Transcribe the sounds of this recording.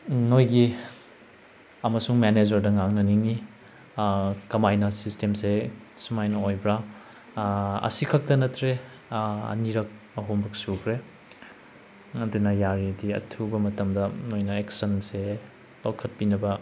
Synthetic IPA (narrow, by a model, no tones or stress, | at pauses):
nojɡi | ɐmɐsuŋmened͡ʒɐɾdɐŋaŋnɐniŋi | kɐmajnɐsistemsesumajnɐojbɾa | ɐ̰sikʰɐk̚tɐnɐtɾe | ɐ̰niɾɐk̚ | ɐɦombɐksukʰɾe | ɐdunɐjaɾidiɐ̰tʰubɐmɐtɐmdɐnojnɐeksɐnse | lawkʰɐt̚pinɐbɐ